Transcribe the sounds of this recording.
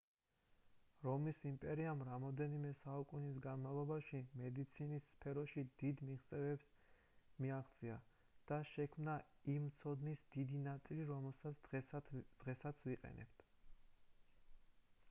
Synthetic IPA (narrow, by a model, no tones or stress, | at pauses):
ɾɔmisimpʼɛɾiamɾamɔd̪ɛnimɛsaukʼunisɡanmalˠɔbaʃimɛd̪it̪sʰinisːpʰɛɾɔʃid̪̥id̪miʁt̪sʼɛvɛbs | miaʁt̪sʼia | d̪̥aʃɛkʰmnaimt̪sʰɔd̪nisd̪id̪inat̪sʼiliɾɔmɛlˠsas | d̪̥ʁɛsat̪sʰviqʼɛ̰nɛ̰bt̪ʰ